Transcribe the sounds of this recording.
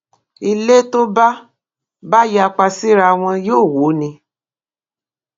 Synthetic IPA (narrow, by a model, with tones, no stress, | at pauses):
i˨le˦t̪o˦ba˦ | ba˦ja˧k͡pa˧si˦ɾa˧w̃ɛ̃˧jo˦˨wo˨˦nĩ˧